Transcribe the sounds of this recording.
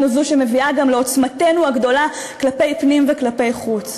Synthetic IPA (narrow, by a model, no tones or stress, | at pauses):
nuzuʃeme̞viaɡamleo̞t͡smate̞nuaɡdo̞la | klape̞jpnimveklape̞jχut͡s